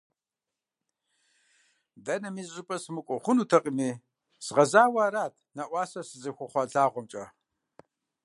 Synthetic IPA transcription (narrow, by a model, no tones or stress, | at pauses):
dɐnɐmiːzzʊpʼɐsmɨkʷʼɔχʷʊnuːtʰɐqʼimiː | sʁɐzaːwaːɾaːtʰnaʔʷɑːsɐsɨzɨxʷɐχʷɑɮaːʁʷɔmt͡ʃʼɐ